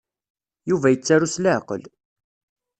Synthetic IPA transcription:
juvæjət͡sːaɾusləʕqə̰l

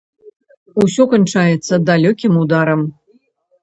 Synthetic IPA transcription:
usʲɔkɐnt͡ʂajɛt̪sɐd̪alʲokʲimud̪aɾəm

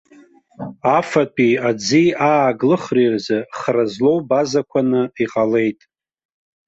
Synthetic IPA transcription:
afatʼiad͡ziaːɡlɨχrirzɨχrazlo̞wbazakʷʰanɨiqʼale̞jtʼ

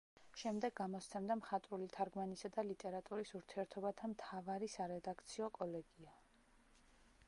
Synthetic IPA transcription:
ʃɛmd̪ɛɡːamɔst̪sʰɛmd̪amχat̪ʼɾulit̪ʰaɾɡmanisad̪alit̪ʼɛɾat̪ʼuɾisuɾt̪ʰiɛɾt̪ʰɔbat̪ʰamt̪ʰavaɾisaɾɛd̪akʰt̪sʰiɔkʼɔlɛɡia

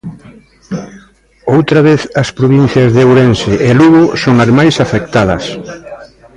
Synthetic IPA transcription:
owt̪ɾɐβeθɐspɾoβin̟θjɐzðewɾensɪʔeluɣosoŋɐzmajsafek̚t̪að̞ɐs

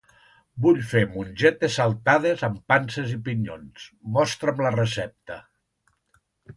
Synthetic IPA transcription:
buʎfemunʲʒɛt̪esalˠt̪að̞ezəmpansezipiɲo̰nsmɔst̪ɾəmlərəsɛp̚t̪ə

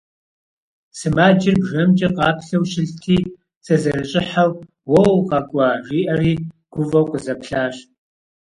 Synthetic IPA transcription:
sɨmaːd͡ʒɪrbʒɐmt͡ʃʼɐqʼɑːpʰɬɐwʃɪɬtʰiː | t͡sʼɐzɐrɨt͡ʃʼɪħaw | wɐwqʼɑkʷʼɐʒiːʔɐriːɡ̥ʷʊvɐwkʷʼʊzɐpɬaːɕ

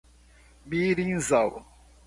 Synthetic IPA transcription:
biɾinzaw

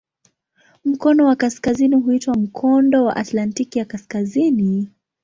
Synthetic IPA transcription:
m̩kɔnɔwakaskaziniɦuitwam̩kʰɔndɔwa̰ʔatlantikijakaskazini

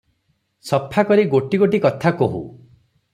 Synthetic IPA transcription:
sɔpʰakɔɾiɡoʈiɡoʈikɔt̪ʰakoɦṵ

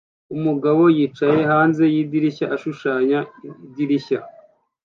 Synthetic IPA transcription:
umuɡaβo̞jiːt͡ʃaje̞ɦaːnze̞jiːdiɾiçaʔaʃuʃaːɲaidiɾiça

